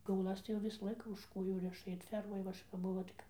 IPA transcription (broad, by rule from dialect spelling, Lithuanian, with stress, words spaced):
kʲɛʊˈlˠɐs tɐɪ jɛʊ ˈʋʲɪsɐ ˈlˠɐɪkɐ ʊʃ ˈkoːjuː ˈrʲɪʃɐ ɪr ˈfʲɛrmoːj ʋɐ ˈɐʃ kɐp ˈbʊʋoː tɐɪ ˈkɐp